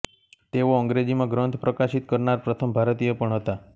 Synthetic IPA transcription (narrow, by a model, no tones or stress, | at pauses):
t̪eʋoəŋɡɾed͡ʒimãɡɾənt̪ʰpɾəkaʃit̪kəɾnaɾpɾət̪ʰəmbʱaɾt̪ijəpəɳɦət̪a